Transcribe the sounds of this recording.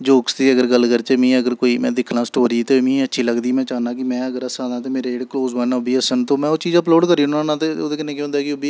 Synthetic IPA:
d͡ʒoːkst̪iːəɡəɾɡəlkəɾt͡ʃemĩːəɡəɾkoːiːmɛ̃ːd̪ɪkʰnãːsʈoːɾiːt̪eːmĩːətːʃʰiːləɡd̪iːmɛ̃ːt͡ʃaːnãːkɪmɛ̃ːəɡəɾəsãːd̪ãːt̪eːmeːɾeːɖkloːzbənabiːəsənt̪õːmɛ̃ːoːt͡ʃiːd͡ʒəploːɖkəɾiːʊnãːnãːt̪eːo̰ːd̪eːkɪneːkj̃ɔ̃ːnd̪aːkɪʊbiː

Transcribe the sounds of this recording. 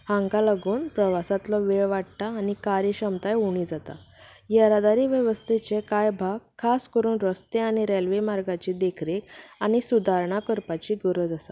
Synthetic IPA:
hãŋɡalaɡuːnpɾəʋasat̪lɔʋeɭʋaʈ̚t̪aːnikaɾiɕəmt̪ajuɽ̃iːd͡zat̪a̰jəɾad̪aɾiːʋjəʋəst̪ʰet͡ɕekajbʱaɡ̚kʰːaskəɾuːnɾəst̪eaɽ̃iɾelʋemaɾɡat͡ɕid̪ekʰɾek̚aɽ̃isud̪ʱaɾɳakəɾpat͡ɕiːɡəɾəd͡zasa

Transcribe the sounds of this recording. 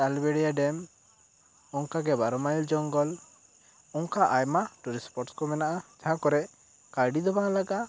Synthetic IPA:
albɛɽijaɖɛm | ɔŋkaɡɛbaɾɔmaild͡ʒɔŋɡɔl | ɔŋkaʔajmaʈuɾispɔɾʈskɔmɛnaʔad͡ʒaɦãkɔɾɛʔ | kaɾɖid̪ɔbaŋlaɡa

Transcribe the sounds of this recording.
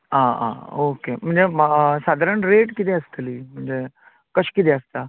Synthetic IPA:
aã̰okem̤əɳd͡zesad̪ʱaɾəɳɾeʈkit̪ɛəst̪liːm̤əɳd͡ze | kəɕkit̪ɛəst̪a

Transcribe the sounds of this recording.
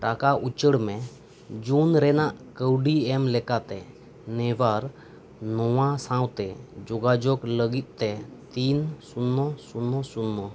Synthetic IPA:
ʈakaʔut͡ʃəɽmɛ | d͡ʒunɾɛnaʔkəwɖiɛmlɛkat̪ɛ | nɛwaɾ | nɔwãsãwt̪ɛd͡ʒɔɡad͡ʒɔkləɡit̪̚ˀt̪ɛt̪insunːɔsunːɔsunːɔ

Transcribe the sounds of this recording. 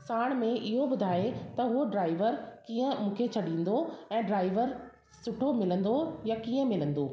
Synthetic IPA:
saːɽ̃mẽʔɪɦobʊd̪ʱaːet̪ɐɦʊoɖɾaːɪʋəɾkiːə̃mũːkʰet͡ɕʰɐɗĩːn̆d̪oɛ̃ːɖɾaːɪʋəɾ | sʊʈʰomɪlə̃nd̪ojakiːə̃mɪlə̃nd̪oː

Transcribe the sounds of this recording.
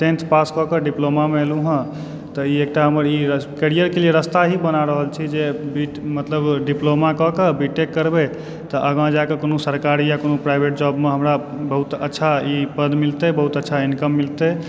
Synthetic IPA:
sẽnt̪ʰpaskɔkəɖiplomameeluɦə̃ | t̪ɔiek̚ʈaɦəməɾikeɾijəɾkelieɾəst̪aɦibənaɾəɦəlt͡ʃʰid͡ʒebiʈmət̪ləbɖiplomakɔkebiʈːekːəɾbe | t̪ɔʔəɡãd͡ʒaekekonosəɾkaɾijakonopɾajbʱeʈ̚d͡ʒɔbmeɦəmɾa | bəɦut̪ə̰tːʃʰaipəd̪milt̪ebəɦut̪ətːʃʰainkəmːilt̪e

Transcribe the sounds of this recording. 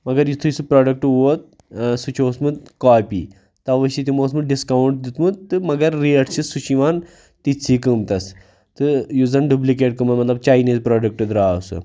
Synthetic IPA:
mɐɡɐɾjit̪ʰujisɨpɾɔːɖɐk̚ʈʋot̪̚ | sut͡ʃʰosmɨd̪kaːpḭː | t̪aʋəʃit̪̬ʲimoːsmɨɖiskawuɳʈd̪it̪mɨd̪t̪ːɨmɐɡɐɾːiɐʈsisut͡ʃʰiʋaːn | t̪it͡sʰːiːkəmt̪ɐs | t̪ɨjuzɐnɖub̬lik̬eʈkəmɐnmɐt̪lɐb̚t͡ʃaːjniːzpɾɔːɖɐk̚ʈɨd̪ɾaːsɨ̰

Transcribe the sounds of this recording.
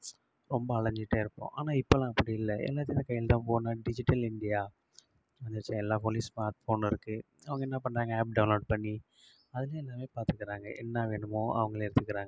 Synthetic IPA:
ɾɔmbɐɐɭɐɲd͡ʒɪʈːeɪɾɯpːõ̰ːʔa̰ːnaːɪpːolãːɐpːɐɽiɪlːɐʔɛ̰lːaːt̪̬ːɪjɪ̃nɐkɐɪjːɪlt̪ãːpoːnaːɖɪd͡ʒɪʈːɐlɪɳɖɪjaː | ɐnɐɾt͡ʃːɐ̃ɛlːaːpoːlismaːɾʈfoːnɪɾɯkːɯ | ɐʋɐŋɡɐɛnːɐpɐɳɾaːŋɡɐaːp̚ɖɐʊnloːɖ̚pɐɳːi | ɐðɯlɐ̃ɛlːaːmeːpaːɾt̪ɯkːɪɾaːŋɡɐʔɛ̰nːaʋeːɳɯmõːʔɐ̰ʋɐŋɡɐɭɛɾɯnɯkːɪɾaːŋɡɐ

